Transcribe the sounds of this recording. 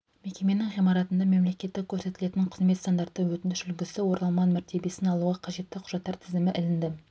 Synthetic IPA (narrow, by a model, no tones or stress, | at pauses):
me̞kʲe̞me̞nɪŋʁijmɑɾɑt̪ənd̪ɑme̞mle̞kʲe̞t̪ːɪk̚ʲʰɵɾse̞t̪ɪle̞t̪ɪɴqʰə̥zme̞t̪st̪and̪ɑɾt̪ːəwɵt̪ɪnd̪ɪʃʏlɡʲɪsɪwo̞ɾnɑlˠmɑnmæɾt̪ʰe̞be̞sɪnɑlˠuʁɑqʰɑʒe̞t̪ːɪqʰʊ̥ʒ̥ɑt̪ːɑɾt̪ʰɪzɪmɪʔɪlɪnd̪ɪ